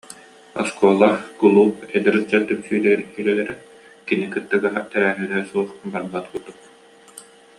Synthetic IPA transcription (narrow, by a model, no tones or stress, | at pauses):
ɔ̰skuɔlˠaχkulˠuːpɛd̪ɛɾɯd͡ʑat̪yksyːlɛɾkylɛlɛɾɛ | kinikɯt̪ːɯɡaɦat̪ɛɾæːɦylɛsuɔχbaɾbat̪kut̪ːuk